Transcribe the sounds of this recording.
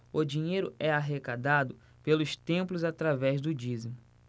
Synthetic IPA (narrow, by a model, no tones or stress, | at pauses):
ʊd͡ʒĩɲejɾʊɛaɦekad̪ad̪ʊ | pelʊst̪ẽmplʊzat̪ɾavɛzd̪ʊd͡ʒizimʊ